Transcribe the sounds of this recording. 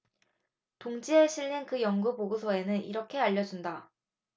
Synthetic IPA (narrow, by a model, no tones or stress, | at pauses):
toŋd͡ʑieɕʰiɭːinkɯjʌŋɡupoɡusʰʌe̞nɯnḭɾʌkʰe̞aʎːʌd͡ʑunda